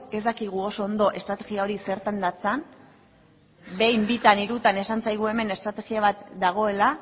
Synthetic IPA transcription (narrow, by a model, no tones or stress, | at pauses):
e̞zd̪akiɣ̞uo̞so̞ːnd̪o̞ʔe̞st̪ɾat̪e̞ɣiao̞ɾise̞ɾt̪and̪at͡san | be̞jmbit̪aniɾut̪ane̞sant͡sajɣ̞ue̞me̞ne̞st̪ɾat̪e̞ɣiaβ̞at̪d̪aɣ̞o̞e̞la